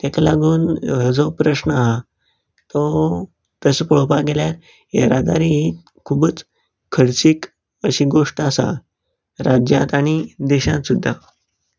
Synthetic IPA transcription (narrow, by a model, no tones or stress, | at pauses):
t̪ɛkalaɡuːnɦəd͡zɔpɾəɕnəaɦa | t̪ɔ | t̪əsəpɔɭpaɡeljat̪ | jḛɾad̪a̰ɾiɦi | kʰubət͡s | kʰəɾt͡ɕiːk | əɕiːɡoʂʈasa̰ | ɾad͡ʑjat̪aɽ̃id̪ɛɕãt̪sud̪ʱːa